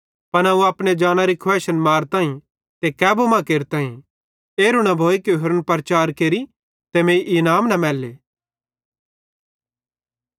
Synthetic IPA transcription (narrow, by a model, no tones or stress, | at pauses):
pɐnɐuaːpñed͡ʒaːñaɾikʰwɛːʃənmaːɾt̪ãːĩ | t̪ekɛːbomãkeːɾt̪ãːĩ | eːɾuɽ̃abʱoːikoɦɐɾənpəɾt͡ʃaːɾkeːɾi | t̪emẽːiʔɪnaːmnɐmɛːlːeː